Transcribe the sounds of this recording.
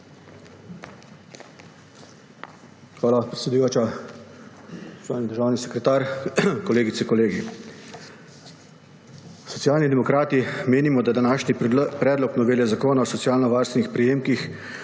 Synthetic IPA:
xʋaːlapɾɛt̪sʲɛd̪ujoːt͡ʃa | saːjnid̪əɾʒaːwnisɛkɾɛt̪aːɾkɔleːɡit̪sɛkɔleːɡi | sɔt̪sijaːlnid̪ɛmɔkɾaːt̪imeːnimɔd̪ad̪anaːʃnipɾɛːd̪lɔknɔʋeːljɛzakoːnaɔsɔt̪sijaːlnɔʋaːɾst̪ʋnixpɾɛjeːmkix

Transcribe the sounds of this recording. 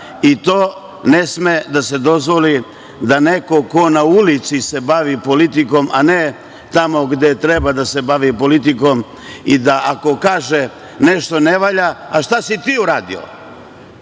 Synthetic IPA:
it̪o̞ː | ne̞smed̪ase̞d̪o̞zʋo̞li | d̪aneko̞ko̞naulit̪sise̞baʋipo̞lit̪iko̞mane | t̪amo̞ɡd̪e̞t̪ɾebad̪ase̞baʋipo̞lit̪iko̞m | id̪aʔako̞kaːʒe | ne̞ʃt̪o̞neʋaʎaaʃt̪asit̪iːuɾaːd̪ḭo̰

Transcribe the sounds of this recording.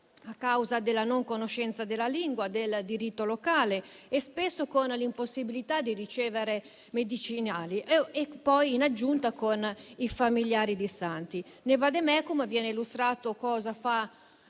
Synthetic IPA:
akːawzad̪elːanoŋkonoʃːɛnt̪sad̪elːaliŋɡwad̪eld̪iɾit̪ːolokaːle | espesːokonlimposːibilit̪ad̪iɾit͡ʃɛːveɾe | med̪it͡ʃinaːliepːɔjinad͡ʒːunt̪akonifamiljaːɾid̪isant̪i | nevad̪emɛkumevjɛːneilust̪ɾaːt̪okɔːzafa

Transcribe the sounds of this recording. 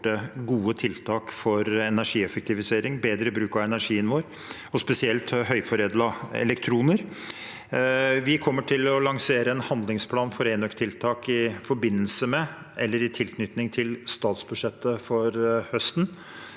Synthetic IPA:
ʈəɡuːət̪ʰɪlt̪ʰɑːkfɔɾɛnæʂiːɛfək̚t̪ʰɪʋɪseːɾɪŋbeːd̪ɾəbɾʉːkɑʋɛnæɾʂiːənʋoːɾ | ɔspɛsɪɛlt̪hœʏfɔɾeːd̪lɑɛ̰lɛkt̪ʰɾuːnəɾ | ʋɪkʰɔmːəʈʰɪlɔlɑŋseːɾəɛnhɑnd̪lɪŋspʰlɑːnfɔɾeːnœkt̪ʰːɪlt̪ʰɑːkɪfɔɾbɪnːəlsəmɛ | ʔɛlːəɾɪt̪ʰɪlknʏt̪nɪŋt̪ʰɪlst̪ɑːt̪sbʉd̪ʂɛt̪ːəfɔɾhœst̪n̩

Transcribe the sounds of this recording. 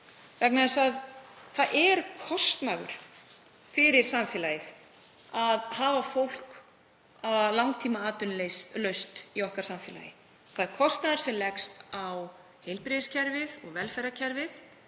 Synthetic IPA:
vɛknaðɪsaðθaðʔɛɾkʰɔst̪naɣʏ̰ɾ̥ | fɪɾɪɾ̥samfɪːlajɪθ | aðhaːvafowl̥k | aðlawŋt̪ʰiːmaaːt̪ʏnlejst̪lœɥst̪iɔhkaɾ̥samfɪːla̰jɪ | θaðɛɾ̥kʰɔst̪naðɪɾ̥sɛmlɛksaw | hejlpɾɪðɪscʰɛɾvɪðɔɣvɛlfɛɾacʰɛɾvɪθ

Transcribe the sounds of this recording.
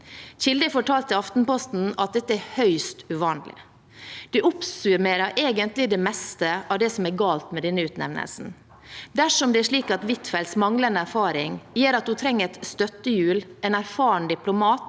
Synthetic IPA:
çɪld̪ɪfɔʈʰɑːlt̪əɑft̪n̩pɔst̪n̩ɑt̪̚d̪ɛt̪ːəæɾhœʏst̪ʉʋɑːnlɪ̰ | d̪̥ɛʔʊpsʉɾmeːɾɑɾʔeːɡənt̪lɪd̪ɛmɛst̪əʔɑʋd̪ɛsɔmæɾɡɑːlt̪mɛd̪ɛnːəʉːt̪nɛ̰ʋnə̰lsn̩ | d̪æʂɔmd̪ɛæʂɭiːkɑt̪ʋɪt̪fɛlsmɑŋlənəæɾfɑːɾɪŋjeːɾɑt̪̚d̪ʉt̪ʰɾɛŋːəɾɛt̪st̪œt̪ːəjʉːlɛnæɾfɑːɳd̪ɪplʊmɑːt̪

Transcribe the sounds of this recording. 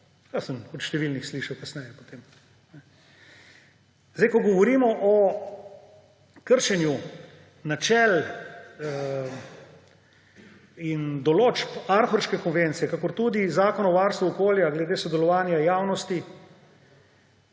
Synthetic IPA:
jasəmɔt̪ʃt̪ɛʋilnixsliːʃawkasnɛjɛpo̥t̪eːm | nɛ | zd̪ɛjkɔɡɔʋɔɾiːmɔʔɔ | kəɾʃɛnju | nat͡ʃɛl | ind̪ɔloːt͡ʃpaɾxɔɾskɛkɔnʋent̪sijɛkakɔɾt̪uːd̪izaːkɔnɔʋaːɾst̪ʋuɔkoːljaɡlɛd̪eːsɔd̪ɛlɔʋaːnjajaːwnɔst̪i

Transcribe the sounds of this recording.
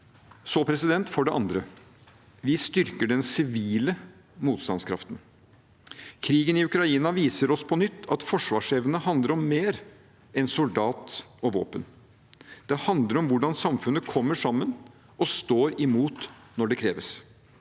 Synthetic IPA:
sɔpʰɾɛsɪd̪ɛnt̪fɔɖɛʔɑ̰nd̪ɾə | ʋɪst̪ʏɾkəɖɛnsɪʋiːlə | muːt̪st̪ɑnskʰɾɑ̰ft̪ən | kʰɾiːɡənɪʉkɾɑiːnɑʋiːsəɾɔspʰɔnʏt̪ːɑt̪fɔʂʋɑːʂɛʋənəɦɑnd̪ləɾɔmːeːɾ | ɛnsʊld̪ɑːt̪ɔʋo̰ːpən | d̪̥ɛhɑnd̪ləɾɔmʋʊɖɑnsɑmfʉnːəkʰɔmːəʂɑmːən | ɔst̪oːɾɪmuːt̪nɔɖɛkʰɾeːʋəs

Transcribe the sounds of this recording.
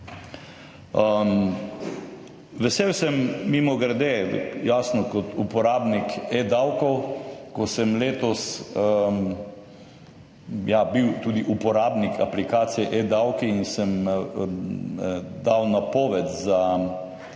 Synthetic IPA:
ʋɛsewsɛmːimɔɡɾad̪ejaːsnɔkɔt̪upɔɾaːbniked̪awkɔwkɔsɛmleːt̪ɔs | jabiwt̪uːd̪iʔupɔɾaːbnikʰa̰plikaːt̪sijɛʔed̪awkiinsɛm | d̪awnapɔːʋɛt̪za

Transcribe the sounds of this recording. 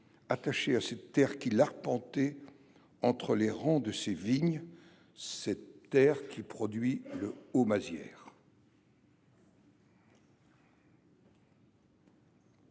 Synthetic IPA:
at̪aʃeasɛt̪ːɛʁkʲilaʁpɑ̃t̪ɛ | ɑ̃t̪χəleʁɑ̃d̪əseviɲ | sɛtːɛʁkʲʰipχɔd̪ɥiləomazjɛ̰ːʁ

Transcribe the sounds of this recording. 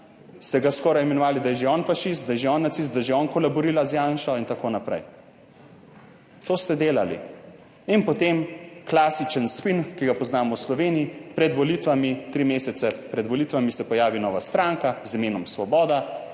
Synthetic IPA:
st̪ɛɡaskɔːɾajmɛnɔʋaːlid̪ajɛʒeɔnfaʃist̪̚d̪ajɛʒeɔːnːat̪sis̬t̪d̪ajʒeɔːnkɔlabɔɾiːlazjanʃɔint̪akoːnapɾɛ̰j | t̪oːst̪ɛd̪eːlalḭ | inpɔt̪emklasit͡ʃənspinkiɡapɔznaːmɔwslɔʋeːniipɾɛd̪ʋɔlit̪ʋamit̪ɾimeːsɛt̪sɛpɾɛd̪ʋɔlit̪ʋamisɛpɔjaːʋinɔːʋast̪ɾaːŋkazimeːnɔmsʋɔbɔːd̪a

